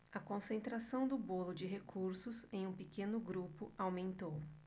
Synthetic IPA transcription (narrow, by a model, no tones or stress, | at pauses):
ɐkõsẽnt̪ɾasɐ̃w̃d̪ʊbolʊd͡ʒɪɦekʰuɾsʊsẽj̃ũpekẽnʊɡɾupʊawmẽnt̪ow